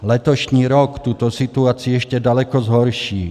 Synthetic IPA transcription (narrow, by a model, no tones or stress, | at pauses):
lɛt̪ɔʃɲiːɾɔkt̪uːt̪ɔsit̪uaːt͡siuɛʃcɛd̪alɛkɔzɦɔɾʃiː